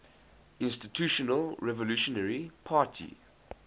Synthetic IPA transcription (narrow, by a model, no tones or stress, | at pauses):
ɪ̃nstitʰjuːʃɔnəlɹɛvɔluʃɔnəɹipʰaːˑtʰḭ